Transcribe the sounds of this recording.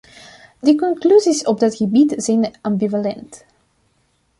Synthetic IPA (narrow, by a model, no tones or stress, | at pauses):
dəkɔŋklyzisɔb̚dɑtɣəbitzɛjnʔɑmbivalɛnt